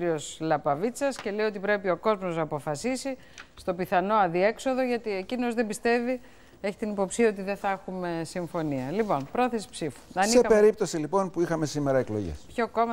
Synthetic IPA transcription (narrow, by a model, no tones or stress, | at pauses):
ɾio̞slɐpɐvit͡sɐsce̞le̞ijot̪ipɾe̞pio̞ko̞zmoznɐːpo̞fɐsisi | st̪o̞piθɐno̞ɐðie̞kso̞ðo̞ʝɐt̪ie̞cino̞zðe̞bist̪e̞vi | e̞çi̥t̪inipo̞psiɐo̞t̪̬iðeθɐexume̞siɱfo̞niɐlipo̞npɾo̞θesi̥psifu̥ɐnieɐpeɾip̚t̪o̞silipo̞npuixɐme̞simeɾɐeklo̞̰ʝḛspço̞ko̞mɐ